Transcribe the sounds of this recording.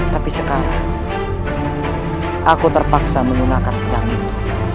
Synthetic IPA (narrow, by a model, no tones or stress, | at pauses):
t̪apisəkaɾaŋ | ʔakut̪ərpaksaməŋɡunakankədami